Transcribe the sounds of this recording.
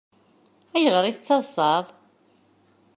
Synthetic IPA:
æjəʁəɾˤiθət͡sːɑðˤsˤɑðˤ

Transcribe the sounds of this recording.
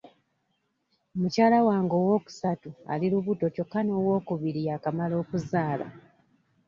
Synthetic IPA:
omucaːlawaːŋɡo̞wo̞ːku̥satua̰liluβuto̞to̞kːano̞ːwo̞ːkuβiɾijakamalo̞ːkuzaːla̰

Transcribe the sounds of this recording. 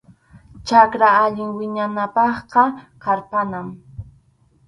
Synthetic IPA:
t͡ʃakɾaaʎɪŋwɪɲanapɑχqɑ | qɑɾpanam

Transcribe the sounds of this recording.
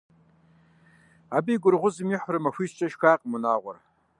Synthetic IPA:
abiːɡʷʊrʁʷʊzɨmiħʷrɨmaxʷist͡ʃʼaʃkʷʰaqʼmunaʁʷa̰r

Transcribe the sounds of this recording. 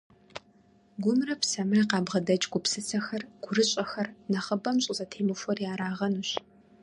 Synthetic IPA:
ɡʷʊmrɐpsɐmɐjqɑːbʁɐdɐt͡ʃʼɡʷʊpsɨt͡sʰɐxɐrɡ̥ʷʊɾɨɕʼɐxɐrnɐχɐbɐmɕʼʊzɐtʰeːmoːforjaːɾaːʁɐnuːɕ

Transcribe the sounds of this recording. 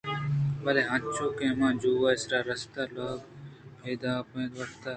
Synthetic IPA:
bəleːə̃t͡ʃʰoːkẽːmãːd͡ʒuːʋaːɪsɾaːɾəst̪aːlaːɡed̪aːpẽːd̪ʋəkt̪aː

